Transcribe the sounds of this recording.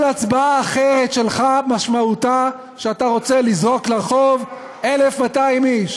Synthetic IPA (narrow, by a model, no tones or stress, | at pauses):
lat͡sbaaːχeʁe̞tʃelχamaʃmauta | ʃeataʁo̞t͡selizʁo̞kleʁχo̞v | ele̞fmataimiʃ